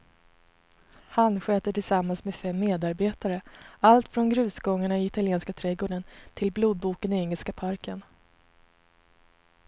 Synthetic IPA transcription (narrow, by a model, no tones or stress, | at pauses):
hanɧøːt̪əʈɪlsamːansmeːfɛmːeːd̪aɾbeːt̪aɾəalt̪fɾɔnɡɾʉ̟ːsɡɔŋːaɳaɪɪt̪alɪeːnskat̪ʰɾɛɡoːɖənt̪ʰɪlbluːd̪̚buːkənɪɛŋːəlskapʰaɾkʰən